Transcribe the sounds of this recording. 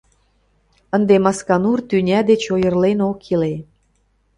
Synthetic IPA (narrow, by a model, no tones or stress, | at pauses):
ə̆nd̪emɑskɑnurt̪ynʲæd̪et͡ɕojə̆rlenokʰile